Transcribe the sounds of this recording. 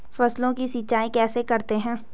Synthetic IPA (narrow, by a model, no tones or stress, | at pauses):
fɐslõkisiːt͡ʃaːẽkɛːsekɐɾt̪eɦɛ̃ː